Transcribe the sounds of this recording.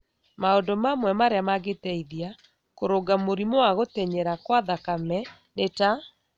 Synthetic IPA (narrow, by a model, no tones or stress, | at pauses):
maɔndɔmamwɛmaɾeamaɡetɛiðia | koɾoɡamoɾimoaɣotɛɲɛɾakwaðakamɛ | neta